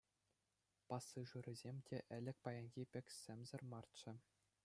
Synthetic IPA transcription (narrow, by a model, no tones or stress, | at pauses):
pɑsːɯʐuɾʲɘ̆zʲemʲtʲʰeʔɘ̆lʲɘ̆k̚ʲpɑjɑnʲɣʲipʲɘ̆kʲsʲɘ̆mʲzɘ̆rmɑrt͡ɕɘ̆